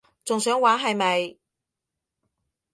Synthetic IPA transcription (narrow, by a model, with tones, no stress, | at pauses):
t͡sʊ˨ŋsœː˨˥ŋwaː˨˥nɦɐ˨˧jmɐ˨j